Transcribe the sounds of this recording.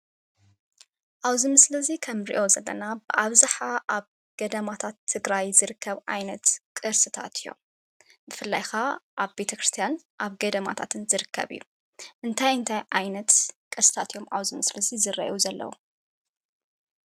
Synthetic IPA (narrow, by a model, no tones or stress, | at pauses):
ʔaβzɨmɨslɐzikʰɐmɾḭʔo̞zɐlːɐ̰nabɨʔaβzaħaʔaβ | ɡ̥ɐd̪ɐmat̪ʰat̪ʰːɨɡɾajzɨɾɨkːɐβʕa̰jnɐt̪kʼɨɾsɨt̪ʰa̰t̪ʰijo̰ | bɨfɨlːajxaʔaβbe̞t̪ʰɐkɾɨst̪ʰijan | ʔaβɡɐd̪ɐma̰t̪ʰa̰t̪ʰɨnzɨɾɨkʰːɐ̰βɨ̰jːu | ʔɨnt̪ʰajɨnt̪ʰajʕajnɐt̪kʼɨɾsɨ̥t̪ʰat̪ijo̞maβzɨmɨslɐzizɨrɐ̰ʔuzɐlːɐ̰wu